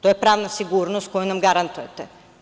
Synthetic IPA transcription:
t̪oːjepɾaːʋnasiɡuːɾnost̪̚kojunamɡaɾant̪ujet̪e

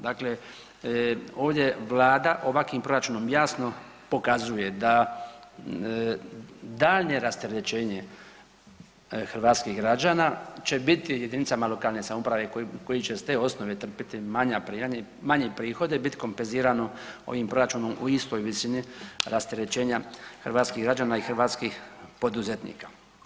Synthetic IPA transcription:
d̪akle | o̞ːʋd̪je̞ʋlaːd̪aʔo̞ʋakʋimpɾo̞ɾat͡ʃuːno̞mjaːsno̞ | po̞kazuje̞d̪a | d̪aːlne̞ɾast̪eɾet͡ʃe̞ːɲe | xr̩ʋaːt̪skiɦɡɾad͡ʒaːnaːt͡ɕe̞bit̪ije̞d̪init̪samalo̞kaːlne̞samoupɾaʋe̞kko̞jit͡ʃest̪e̞ːo̞snoʋe̞t̪r̩pit̪imaɲapɾiːaɲemaɲepɾiːxo̞d̪ebit̪i̥ko̞mpenziːɾanoo̰ʋimpɾo̞ɾat͡ʃuːno̞mʔṵist̪ojʋisiniɾast̪eɾet͡ʃe̞ːɲaxɾʋaːt̪skiɣɡɾad͡ʒaːnaixr̩ʋaːt̪skixpo̞d̪uzet̪nḭːkḁ

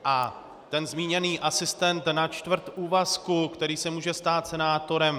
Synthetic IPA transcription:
ʔa | t̪ɛnzmiːɲɛniːʔasɪst̪ɛnt̪nat͡ʃt̪vr̩t̪ʔuːvaskukt̪ɛɾiːsɛmuːʒɛst̪aːt̪sɛnaːt̪o̞ɾɛm

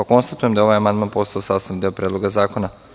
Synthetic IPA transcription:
ako̞nst̪at̪uje̞md̪ao̞ʋajamand̪manpo̞st̪aosaːst̪and̪iopɾed̪lo̞ɡazaːko̞na

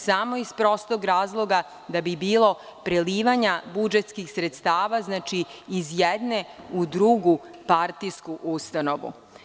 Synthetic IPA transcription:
samo̞ispɾo̞st̪oɡɾaːzlˠo̞ɡa | d̪abibiːlˠo̞ | pɾeliːʋaɲabud͡ʒet̪skixsɾet̪st̪aːʋaznaːt͡ʃiːzjed̪neud̪ɾuɡupaɾt̪ijskuʔust̪ano̞ʋṵ

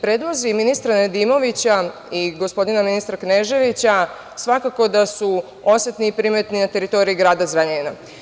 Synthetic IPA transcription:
pɾeːd̪ʋo̞ziminist̪ɾaned̪imo̞ʋit͡ɕa | iɡo̞spo̞d̪inaminist̪ɾakneʒe̞ʋit͡ɕa | sʋakako̞d̪asu | o̞set̪niːpɾime̞t̪ninat̪e̞ɾit̪o̞ɾiiɡɾaːd̪azɾaɲeina

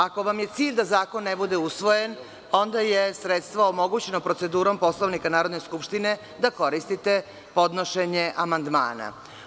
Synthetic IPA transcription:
ako̞ʋamje̞t̪siːʎʲd̪azaːko̞nːebud̪e̞usʋo̞jen | o̞nd̪ajesɾet̪st̪ʋaomo̞ɡut͡ɕe̞nopɾo̞t̪se̞d̪uːɾo̞mpo̞slˠoʋnikanaːɾo̞d̪neskupʃt̪ine̞ | d̪ako̞ɾist̪it̪e | po̞d̪no̞ʃeɲeʔamand̪ma̰ːna̰

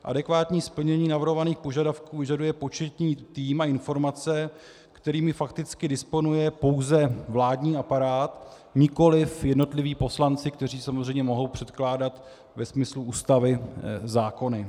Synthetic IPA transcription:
ʔa̰dɛkvaːt̪ɲiːspl̩ɲɛɲiːnavrɾɦo̞vaniːxpo̞ʒadafkuːvɪʒadujɛpo̞t͡ʃɛt̪ɲiːt̪iːmaɪnfo̞ɾmat͡sɛ | kt̪ɛɾiːmɪfakt̪ɪt͡skɪdɪspo̞nujɛpo̞wzɛvlaːdɲiːapaɾaːt̪ | ɲɪko̞lɪfjɛdno̞t̪lɪviːpo̞slant͡sɪk̚t̪ɛr̝iːsamozr̝ɛjmɲɛmo̞ɦo̞wpr̝̥ɛt̪klaːdat̪ | vɛsmɪsluʔuːst̪avɪzaːko̞nɪ

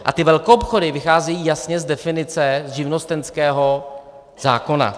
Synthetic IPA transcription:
ʔa̰t̪ɪvɛlkoʔopxodɪvɪxaːzɛjiːjasɲɛzdɛfɪnɪt͡sɛʒɪvnost̪ɛnskɛːɦo̞ | z̥a̰ːko̞na̰

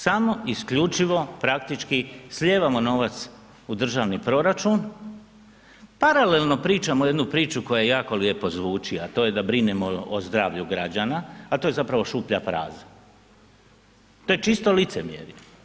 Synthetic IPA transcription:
samo̞ʔiskʎut͡ʃiʋo̞pɾak̚t̪it͡ʃkisʎʲe̞ːʋamo̞no̞ʋat̪s | ud̪r̩ʒaːʋnipɾo̞ɾat͡ʃun | paɾale̞lno̞pɾiːt͡ʃamoje̞d̪nupɾiːt͡ʃuko̞jajejaːko̞lje̞po̞zʋuːt͡ʃiat̪o̞ːje̞d̪abɾinemoozd̪ɾaːʋʎuɡɾad͡ʒanaːt̪oje̞zapɾaʋo̞ʃuːpʎapɾa̰ːza | t̪o̞ːjet͡ʃist̪o̞lit̪semjḛɾɲe

